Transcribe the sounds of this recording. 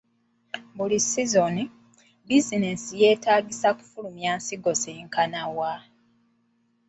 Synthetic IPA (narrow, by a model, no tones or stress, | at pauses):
bulisizoni | bizinesije̞ːtaːɡisaku̥fulumjaːnsiɡo̞seŋkanawa